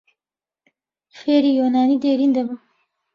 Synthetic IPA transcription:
xeɾijonɑːnid̪eɾind̪aba

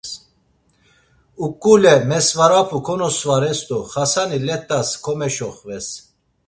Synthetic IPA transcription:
ukʼːulɛmɛsvaɾapʰukʰɔnɔsvaɾɛst̪uχasanilɛt̪ʼːaskʰɔmɛʃɔχvɛs

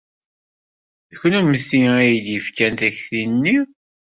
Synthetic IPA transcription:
ðçnæməsiæjəd̪jəfkænt̪æçθinːi

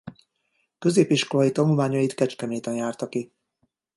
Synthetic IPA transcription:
kø̞zeːpiʃko̞lɒjit̪ɒnulmaːɲɒjit̪kɛt͡ʃkɛmeːt̪ɛnjaːrt̪ɒki

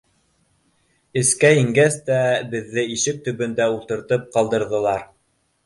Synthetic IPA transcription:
ɘ̆skæiŋɡæst̪æbɘ̆ðːɘiʃɘk̚t̪ɵ̆βɵ̆nd̪æulˠt̪ɤ̆ɾt̪ɤp̚qɑlˠd̪ɤ̆ɾðɤ̆lˠɑɾ

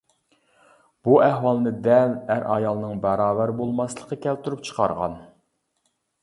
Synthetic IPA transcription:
b̥uʔæhwɑlˠɨnɨd̪ɛlæɾʔɑ̰jɑlˠɨnɨŋbæɾɑːvæɾbolˠmɑslˠəqːəkʲʰɛlt̪ʰuɾup̚t͡ʃʰə̥qʰɑ̰ɾʁɑ̰n

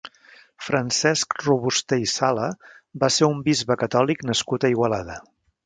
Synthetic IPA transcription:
fɾənsɛskruβust̪ejisaləbaseumbizβəkət̪ɔliknəskut̪əiɣwəlaðə

